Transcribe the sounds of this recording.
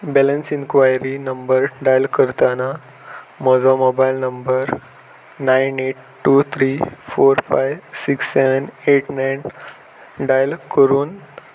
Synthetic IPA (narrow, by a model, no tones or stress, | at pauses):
bɛlənsiŋkʋajɾinəmbəɾɖajəlkəɾt̪ana | mɔd͡zɔmobajlnəmbəɾ | najneʈ̚ | ʈːut̪ʰɾifoɾfajʋsiksːeʋəneʈnajn | ɖajlkəɾuːn